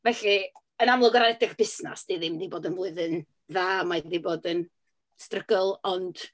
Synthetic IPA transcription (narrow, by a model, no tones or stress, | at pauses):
vɛɬi | ənamlˠɔɡɔɾanɛdɪχb̥ɪsna̰sdiːðɪmdiboːdənvlˠʊɨðən | ðaːmaðiboːdən | strəɡəlˠɔnd̥